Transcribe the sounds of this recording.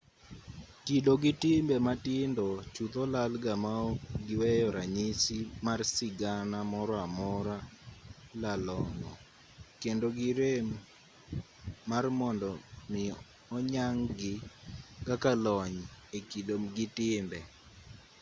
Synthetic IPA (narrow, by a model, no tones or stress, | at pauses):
kidoɡɪtɪmbɛmatɪndɔt͡ʃut̪olalɡamaoɡɪwɛjɔɾaɲisimarsɪɡanamɔɾɔamɔɾa | lalɔŋɔ̰ | kendoɡɪɾem | armɔndɔmɪ | ɔɲaŋɡɪkakalɔɲekidomɡɪtɪmbɛ